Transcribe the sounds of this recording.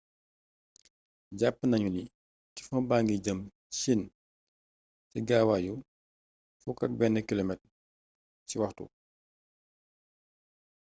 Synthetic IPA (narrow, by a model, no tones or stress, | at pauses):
ɟapːnɐɲuni | ti̥funbaŋɡiɟəm | sin | siɡaːwaju | fukɐk̚bɛnːəkilɔmɛt | siwɐxtṵ